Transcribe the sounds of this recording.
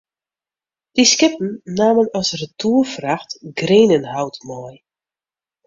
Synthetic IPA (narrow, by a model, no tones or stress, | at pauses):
d̥iskɪpn̩naːmənɔsrətʰuːərfraxtɡreːnənhawtmɔj